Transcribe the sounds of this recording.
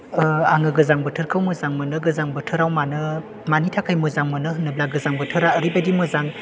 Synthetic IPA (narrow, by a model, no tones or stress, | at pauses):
aŋɯɡɯzaŋbɯtʰɯɾkʰawmɯzaŋmɯnɯɡɯzaŋbɯtʰɯɾawmanɯ | manitʰakʰajmɯzaŋmɯnɯɦɯnːɯblaɡɯzaŋbɯtʰɯɾaəɾibadimɯzaŋ